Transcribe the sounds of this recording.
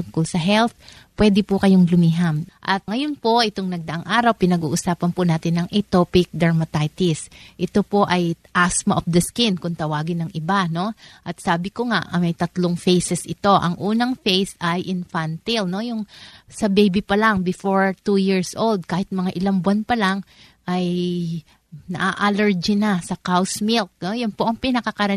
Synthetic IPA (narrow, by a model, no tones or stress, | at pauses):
t̪ʊŋkolsɐɦɛlt̪ | pːwɛːd̪ɪpʊkɐjoŋlʊmiːɦɐmʔɐt̪̚ŋɐjo̞npo̞ʔɪt̪oŋnɐɡ̚d̪ɐʔaŋʔaːɾɐwpɪnɐɡuːʔʊsaːpɐnpʊnaːt̪ɪnːɐŋʔɛt̪opɪk̚d̪ɐɹmɐt̪ajt̪ɪsʔɪt̪o̞po̞ʔɐjʔasmɐʔofd̪ɐskɪnkʊŋt̪ɐwaːɡɪnɐŋʔɪbano̞ʔɐt̪̚saːbɪkoŋaʔɐmɐjt̪ɐt̪loŋfejsɛsʔɪt̪o̞ʔɐ̰ŋʔuːnɐŋfejsɐjʔɪnfant̪ɪlno̞jʊŋsɐbejbipɐlaŋbɪfo̞ɹt̪ujiɹsʔold̪̚kaːhɪt̪̚mɐŋaʔɪlaŋbʊanpɐlaŋ | ʔɐj | nɐ̰ʔaʔalɛɹd͡ʒɪnasɐkawsmɪlk̚nojʊnpo̞ʔɐŋpɪnɐkɐkɐɾɐ